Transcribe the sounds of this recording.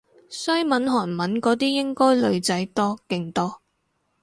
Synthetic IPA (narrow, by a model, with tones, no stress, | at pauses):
sɵ˥ɥmɐ˨˥nɦɔː˨˩nmɐ˨˥nkɔː˨˥t̪̬iː˥jɪ˥ŋkɔː˥jlɵ˨˧ɥt͡sɐ˨˥jt̪ɔː˥kɪ˧ŋt̪ɔː˥